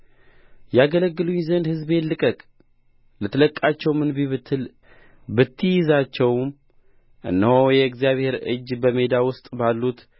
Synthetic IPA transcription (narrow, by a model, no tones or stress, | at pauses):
jaɡələɡːɨluɲzənd̪hɨzbe̞nlɨkʼəkʼ | lət̪ʰələkʼːat͡ʃːɛwmɨnbiβɨt̪ʰːɨl | bɨt̪ʰːɨjɪzat͡ʃːɛwm | ʔɨ̰nːəhojɛɨkzjaβhe̞ɾɨ̰d͡ʒːbəme̞d̪awʊst̪ʼbalːut̪